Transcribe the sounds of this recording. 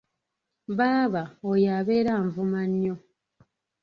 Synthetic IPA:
βaːβaojaβeɾaɱvumanːjo

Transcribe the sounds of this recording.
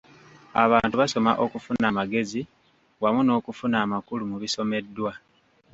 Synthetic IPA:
a̰βaːntuβaso̞maʔo̞kufunamaɡe̞zi | wamuno̞ːkufunaːmakulumuβiso̞me̞dːwa

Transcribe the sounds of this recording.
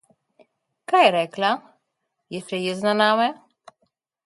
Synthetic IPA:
kajɾɛkla | jɛst͡ʃɛjɛznanamɛ

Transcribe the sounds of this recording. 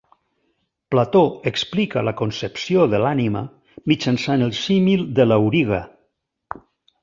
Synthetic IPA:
plat̪oeksplikalakonsepsioðəlanima̰ | mit͡ʃansanelˠsimilˠd̪əlawɾiɣ̞a

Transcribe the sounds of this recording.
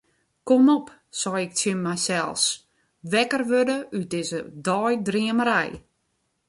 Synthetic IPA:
komɔp | sɔjɪk̚tjənmɛjsɛlˠs | ʋɛkərʋødəydɪzədɔjdriəməɾɛj

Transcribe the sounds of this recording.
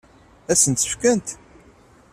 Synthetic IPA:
æsənt̪ə̥fkənt̪

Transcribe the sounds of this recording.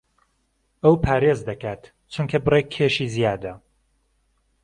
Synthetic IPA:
ɐwpʰaːɾezd̪ɐkaːt̪ | t͡ʃʰuŋkʰɐbɨrekʰːeʃiːzijaːd̪ɐ

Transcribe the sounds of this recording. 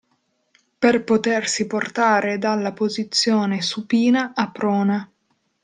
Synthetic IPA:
perpot̪ersiport̪aːɾed̪alːapozit̪sːjoːnesupiːnaʔapːɾɔːna

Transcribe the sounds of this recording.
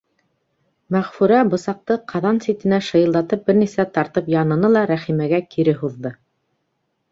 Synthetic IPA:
mæʁfʉɾæbɤ̆sɑq̚t̪ɤqʰɑðɑnsit̪ɘ̆næʃɤ̆jɤ̆lˠd̪ɑt̪ɤp̚bɘɾnisæt̪ɑɾt̪ɤpjɑnɤ̆nɤlˠɑɾæχimæɡækʰiɾɘɦuðːɤ

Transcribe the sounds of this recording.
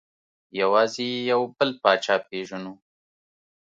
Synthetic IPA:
jawɑːzejawbəlpɑːt͡ʃɑːpeʒanu

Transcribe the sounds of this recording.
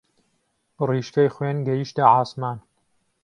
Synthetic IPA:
riːʃkojxwenɡɐjiʃt̪ɐʕaːsmaːn

